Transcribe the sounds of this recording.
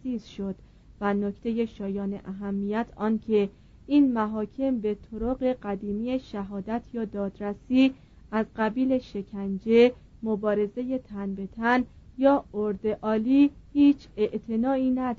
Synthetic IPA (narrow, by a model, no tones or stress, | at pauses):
siːzʃod̪̥ | væno̞cʰt̪ʰe̞je̞ʃɒːjɒːnḛʔæɦæmːijæt̪ʰɒːncʰe̞ | iːnmæɦɒːcʰe̞mbe̞t̪ʰoɾoɣe̞ɢæd̪iːmiːe̞ʃæɦɒːd̪æt̪ʰjɒːd̪ɒːd̪ɾæsiː | æzɢæbiːle̞ʃe̞cʰænd͡ʒe̞ | mobɒːɾe̞ze̞je̞t̪ʰænbe̞t̪ʰænjɒːoɾd̪e̞ʔɒːliːhiːt͡ʃʰe̞ʔt̪ʰe̞nɒːiːnæd̪